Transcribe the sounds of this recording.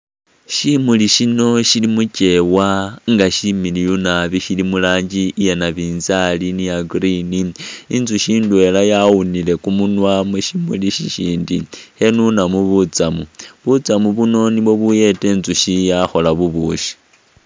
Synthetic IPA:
ʃimuliʃino̞ʃilimuce̞waŋɡaʃimilijunaβiʃilimulaːɲd͡ʒiːjanaβiːnzalinijaɡriniinzuʃiːndwe̞lajawunile̞kumunwamuʃimuliʃiʃiːndihe̞nunamuβut͡samuβut͡samuβuno̞niβo̞βuje̞te̞ːnzuʃijaxo̞laβuβuːʃi̥

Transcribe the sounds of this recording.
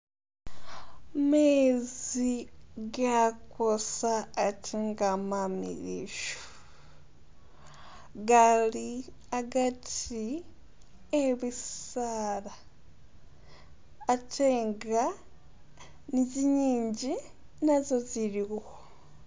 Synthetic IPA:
meziɡakosaːtʰeŋɡamamḭɾḭʃo̥ | ɡali | aɡati | eβisala | tʰeːŋɡa | niziɲiːɲɟi | nazoziɾiɣo

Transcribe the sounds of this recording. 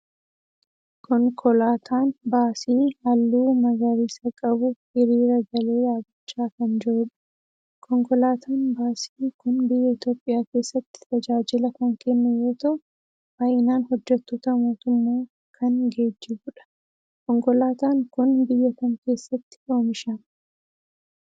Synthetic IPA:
kʰɔŋkʰɔlaːt̪ʰaːnbaːsiːhɐlːuːmɐɡɐɾiːsɐkʼɐbʊ | ɪɾiːɾɐɡɐle̞ːjaːɡɪt͡ʃːaːkɐnd͡ʒɛʔʊᶑɐ̥ | kʰɔŋkʼɔlaːt̪ʰaːnbaːsiːkʊnbɪjːɛɪt̪jo̞ːpʼːɪjaːke̞ːsːɐt̪ːɪ̥t̪ɐd͡ʒaːd͡ʒɪlɐkɐŋkʰɛnːɐjo̞ːt̪ɐʔʊ | bɐjɪnaːnhɔd͡ʒːɛt̪ːoːt̪ɐmo̞ːt̪ʊmːoː | kʰɐnɡe̞ːd͡ʒːɪbʊᶑɐ̥ | kɔŋkʼɔlaːt̪aːŋkʊnbɪjːɐkɐŋke̞ːsːɐt̪ːɪ̥ʔoːmɪʃɐn

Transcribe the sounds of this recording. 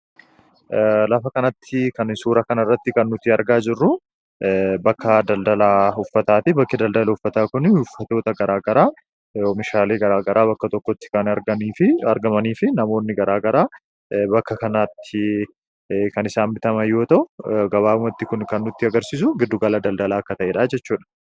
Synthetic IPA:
lɐfɐkɐnɐt̪ʰːɪkɐnsuːɾɐkɐnɪrːɐt̪ːɪkɐnːʊt̪ɪɐɾɡaːd͡ʒɪrːʊ | bɐkʰːɐd̪ɐld̪ɐlaːʊfːɐt̪aːt̪ɪbɐkːɪd̪ɐld̪ɐlɐʊfːɐt̪aːkʊnʊfːɐt̪o̞ːt̪ɐɡɐɾaːɡɐɾaː | omɪʃaːleːɡɐɾaːɡɐɾaːβɐkːɐt̪ɔkːɔt̪ːɪ̥kɐnɐɾɡɐniːfɪɐɾɡɐmɐniːfɪnɐmoːnːɪɡɐɾaːɡɐɾaː | bɐkːɐkɐnaːt̪ʰːɪ | kɐnɪsaːmbɪt̪ɐmɐjːo̞ːt̪ɐʔʊɡɐβaːʊmɐt̪ːɪkʊnkɐnːʊt̪ːɪɐɡɐɾsiːs̬ʊɡɪd̪ːʊɡɐlɐd̪ɐld̪ɐlaːɐkːɐt̪ɐʔeːᶑaːd͡ʒɛt͡ʃːuːᶑɐ̥

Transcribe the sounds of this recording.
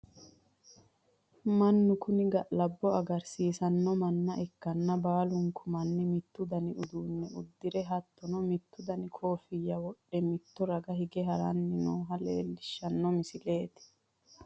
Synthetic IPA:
mɐnːʊkʊnɪɡɐʔlɐbːɔɐɡɐɾsiːsɐnːɔmɐnːɐʔɛkːɐnːɐbaːlʊŋkʰʊmɐnːɪmɪt̪ːʊd̪ɐnɪʊd̪uːnːɛʊd̪ːɪɾɛɦɐt̪ːɔnɔmɪt̪ːʊd̪ɐnɪkʰoːfɪjːɐwɔɗːɛmɪt̪ːɔɾɐɡɐɦɪɡɛɦɐɾɐnːɪnoːɦɐlḛːlːɪʃːɐnːɔmɪsɪle̞ːt̪ɪ̥

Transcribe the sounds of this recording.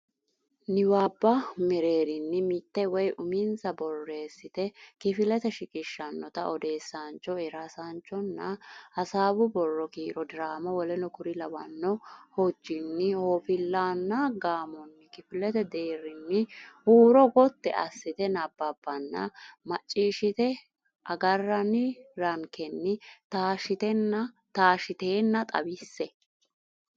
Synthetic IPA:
nɪwaːbːɐmɛɾe̞ːɾɪnːɪmɪt̪ːɛwɔjʔʊmɪnsɐbɔrːe̞ːsːɪt̪ɛkɪfɪlɛt̪ɛʃɪkʼɪʃːɐnːɔt̪ɐɔd̪e̞ːsːant͡ʃːɔɛɾasant͡ʃːɔnːɐɐsaːbʊbɔrːɔkiːɾɔd̪ɪɾaːmɐwɔlɛnɔkʊɾɪlɐwɐnːɔhɔd͡ʒːɪnːɪhoːfɪlːaːnːɐɡaːmɔnːɪkɪfɪlɛt̪ɛd̪eːɾɪnːɪhuːɾɔɡɔt̪ːɛ̰ʔɐsːɪt̪ɛnɐbːɐbːɐnːɐ̰mɐt͡ʃʼːiːʃɪt̪ɛ | ʔɐɡɐrːɐnɪɾɐŋkɛnːɪt̪aːʃɪt̪ɛnɐ | t̪aːʃɪt̪eːnːɐt̪ʼɐ̰bɪsːɛ

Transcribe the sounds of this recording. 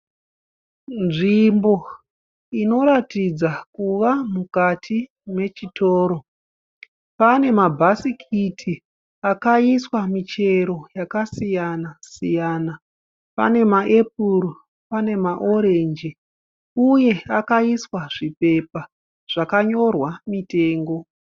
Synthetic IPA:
nʐimbo̞ | ino̞ɾatid͡zakuʋamukatʰi | me̞t͡ʃitoːɾo̞ | pane̞mabʱasikʰitʰi | akaiswamit͡ʃe̞ɾo̞jakasijanasijaːna | pa̰ne̞maʔe̞p̚uɾo | pane̞maʔo̞ɾe̞nd͡ʒi | uje̞akaiswaʐipe̞pa | ʐ̥akaɲo̞rwamite̞ːŋɡo̞

